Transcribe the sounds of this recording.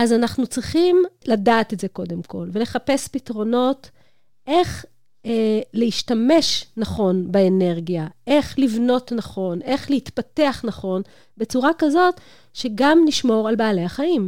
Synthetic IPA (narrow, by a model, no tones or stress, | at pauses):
ʔazanaχnut͡sʁiχimladaːt̪etze̞ko̞de̞mkʰo̞lve̞le̞χape̞spitʁo̞no̞t | ʔe̞χ | eleiʃtame̞ʃnaχo̞nbeene̞ʁɡijaʔe̞χlivno̞tnaχo̞nʔe̞χlehitpateaχnaχo̞n | be̞t͡suʁakazo̞t | ʃeɡamniʃmo̞ʁalbaːlejaχaim